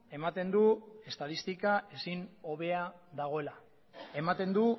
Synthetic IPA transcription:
e̞mat̪e̞nd̪ue̞st̪aðist̪ikae̞sino̞βe̞aðaɣ̞o̞ela | e̞mat̪e̞nd̪u

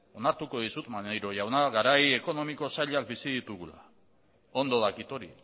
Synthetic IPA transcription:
o̞naɾt̪uko̞ðisut̪manejɾo̞jawnaɣaɾaje̞ko̞no̞miko̞saʎak̚bisiðit̪uɣula̰ | o̞nd̪o̞ðakit̪o̞ɾi

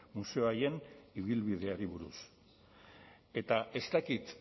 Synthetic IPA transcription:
muse̞oaje̞niβ̞ilβið̞e̞aɾiβ̞uɾṵs | e̞t̪aʔe̞st̪akit̪

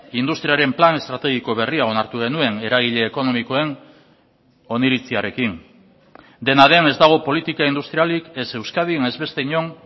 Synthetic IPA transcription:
ind̪ust̪ɾiaɾe̞mplane̞st̪ɾat̪e̞ɣ̞iko̞βe̞riao̞naɾt̪uɣe̞nue̞ne̞ɾaɣ̞iʎe̞ːko̞no̞miko̞e̞n | o̞niɾit͡siaɾe̞kin | d̪e̞naðe̞ne̞zd̪aɣ̞o̞po̞lit̪ikaind̪ust̪ɾialikese̞wskað̞iene̞zβe̞st̪eɲo̞n

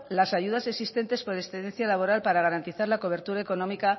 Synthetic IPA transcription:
lasaʝuðase̞ksist̪e̞nt̪e̞spo̞ɾesθeẽnθjalaβ̞o̞ɾalpaɾaɣ̞aɾant̪iθaɾlako̞β̞e̞ɾt̪uɾaeko̞nõ̞mika

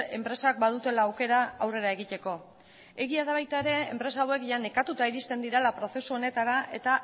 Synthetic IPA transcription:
e̞mpɾe̞sak̚bað̞ut̪e̞laːwke̞ɾaawre̞ɾaeɣ̞it̪e̞ko̞ | e̞ɣiaðaβajt̪aeɾe̞ḛmpɾe̞saːwe̞kʝane̞kat̪ut̪aiɾist̪e̞nd̪iɾalapɾo̞θe̞suo̞ne̞t̪aɾaʔe̞t̪a

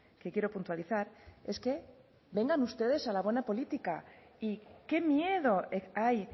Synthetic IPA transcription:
kekje̞ɾo̞punt̪waliθaɾe̞ske | be̞ŋɡanust̪e̞ð̞e̞salaβwe̞napo̞lit̪ikaike̞mje̞ðo̞eaj

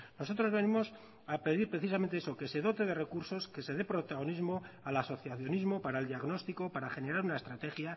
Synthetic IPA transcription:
no̞so̞t̪ɾo̞zβe̞nimo̞s | ape̞ðiɾpɾe̞θisame̞nt̪eesoke̞se̞ðo̞t̪e̞ð̞e̞re̞kuɾso̞ske̞se̞ðe̞pɾo̞t̪aɣo̞nizmo̞alaso̞θjaθjo̞nizmo̞paɾaeld̪jaɣno̞st̪iko̞paɾaχe̞ne̞ɾaɾunaest̪ɾat̪e̞xja

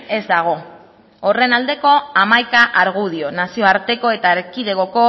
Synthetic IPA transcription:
e̞zd̪aɣ̞o̞ː | re̞nald̪e̞ko̞amajkaʔaɾɣ̞uð̞io̞nasio̞aɾt̪e̞ko̞e̞t̪aeɾkiðe̞ɣoko̞

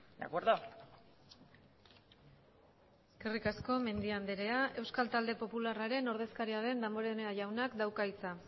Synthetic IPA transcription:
d̪a̰kweɾðo | eske̞rikasko̞me̞nd̪iand̪eɾe̞aʔe̞wskalt̪ald̪e̞po̞pularaɾe̞no̞ɾðe̞skaɾiaðe̞nd̪ambo̞ɾeneaʝawnakd̪awkait͡sa

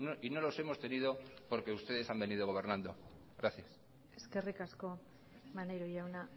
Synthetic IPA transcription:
noino̞lo̞se̞mo̞st̪e̞niðo̞po̞ɾke̞ust̪e̞ð̞e̞sambe̞niðo̞ɣ̞o̞β̞e̞ɾnãnd̪o̞ | ɣɾaθjas | e̞ske̞rikasko̞ | manejɾoʝawna

